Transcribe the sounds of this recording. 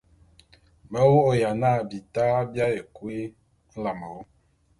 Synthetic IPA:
bə˦wo˦ʔo˨ja˨na˦˨bi˨ta˦bja˦je˨kwe˦ | n̩˦la˨mɔ˨˦

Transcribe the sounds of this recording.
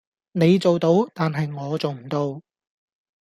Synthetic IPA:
ne˨˧jt͡so˨wt̪o˨˥wt̪aː˨nɦɐ˨jŋɔː˨˧t͡so˨wm̩˨˩t̪o˨˧w

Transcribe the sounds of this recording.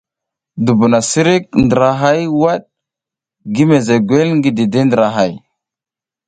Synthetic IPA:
du˨bu˨na˨si˦ɾi˦k̚ndə˨ɾa˨ɦa˦jwa˦ɗ̚ | ɡi˦me˨ze˨ɡwe˦lŋɡi˨di˨de˦ndɾa˨ɦa˦˨j

